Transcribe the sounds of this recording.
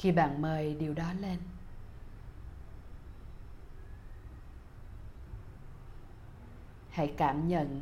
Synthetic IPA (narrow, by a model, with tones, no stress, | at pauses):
xi˧ɓa̰ː˧˨nməː˨˩jɗi˨˩əwɗɔ˨˦le˧n | ha̰˧˥jkaː˧˩mɲə̰˧˨n